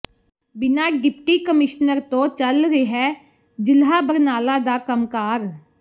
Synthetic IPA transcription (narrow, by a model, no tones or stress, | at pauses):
bɪnaːɡɪpʰʈiːkəmɪʃnəɾt̪õːt͡ʃəlɾeɦɛː | d͡ʒɪlɦaːbəɾnaːlaːd̪aːkəmkaːɾ